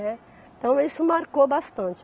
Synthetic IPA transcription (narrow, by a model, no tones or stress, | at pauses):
ɛ̃ | t̪ɐ̃w̃isʊmaɾkobast̪ɐ̃nt͡ʃɪ